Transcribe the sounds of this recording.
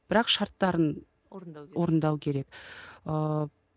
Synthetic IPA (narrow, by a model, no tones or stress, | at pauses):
b̥ɪɾɑqʃɑɾt̪ːɑɾən | wo̞ɾənd̪ɑwkʲʰe̞ɾe̞kə